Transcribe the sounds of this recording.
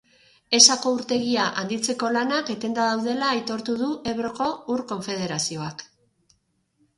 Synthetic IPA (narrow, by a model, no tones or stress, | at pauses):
e̞sako̞uɾt̪e̞ɣiaʔand̪it͡se̞ko̞lanake̞t̪e̞nd̪aðawðe̞laːjt̪o̞ɾt̪uðuʔe̞βɾo̞ko̞uɾko̞ɱfe̞ð̞e̞ɾasio̞ak